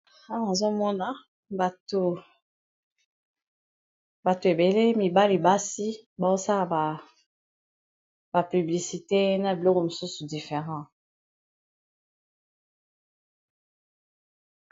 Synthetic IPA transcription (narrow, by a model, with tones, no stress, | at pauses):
a˦na˨zo˦mɔ˦na˦ | ba˨to˨ | ba˨to˨e˨be˨le˦mi˨ba˦li˨ba˦si˦ba˨o˦sa˦la˨ba˨ | ba˨py˨bli˨si˨te˦na˨bi˨lɔ˦ko˨mo˨su˦su˨di˨fe˨ʁɑ̃˦˨